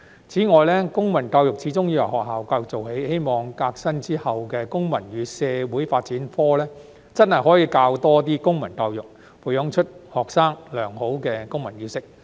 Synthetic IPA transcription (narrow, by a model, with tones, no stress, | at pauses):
t͡sʰiː˨˥ŋɔː˨jlɛː˥kʊ˥ŋmɐ˨˩nka˧wjʊ˨k̚t͡sʰiː˨˥t͡sʊ˥ŋji˧wɐ˨˩hɔː˨k̚ɦaː˨˩wkaː˧jʊ˨k̚t͡so˨˩wɦe˨˥jhe˥jmɔː˨ŋkaː˧k̚sɐ˥nt͡siː˥hɐ˨wkɛː˧kʊ˥ŋmɐ˨˩nɥyː˨˥sɛː˨˧wuː˨˥jfaː˧t̚t͡siː˨˥nfɔː˥lɛː˥ | t͡sɐ˥nhɐ˨jɦɔː˨˥jiː˧kaː˧wt̪ɔː˥t̪̬iː˥kʊ˥ŋmɐ˨˩nka˧wjʊ˨k̚ | fuː˨˩jɔ˨˥ŋt͡ʃʰɵ˥t̚hɔː˨ksaː˥ŋlœː˨˩ŋho˨˥wkɛː˧kʊ˥ŋmɐ˨˩nɥy˨˧˥sɪ˥k̚